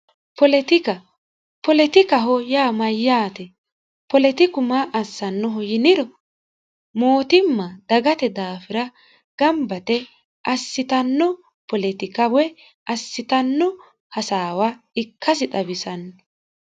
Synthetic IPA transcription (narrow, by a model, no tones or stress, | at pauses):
pɔlɛt̪ɪkɐ | pɔlɛt̪ɪkɐɦɔjaːmɐjːaːt̪ɛ | pɔlɛt̪ɪkʊmaʔɐsːɐnːɔɦɔjɪnɪɾɔ | moːt̪ɪmːɐd̪̥ɐɡɐt̪ɛd̪aːfɪɾɐ | ɡ̥ɐmbɐt̪ɛ | ʔɐsːɪt̪ɐnːɔ | pɔlɛt̪ɪkɐwɛ | ʔɐsːɪt̪ɐnːɔ | hɐsaːwɐ | ɪkːɐs̬ɪt̪ʼɐbɪsɐnːɔɔ